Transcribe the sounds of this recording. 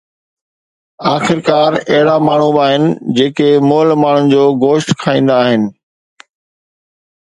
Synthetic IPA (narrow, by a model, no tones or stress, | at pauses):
aːxɪɾkaːɾɐɦɪɽamaːɳ̤ubaːɦɪnɪ̆d͡ʑeːkemʊːlmaːɳ̤ʊnɪ̆d͡ʑoːɡoːʃʈkʰaːĩːn̆d̪aːɦɪnɪ̆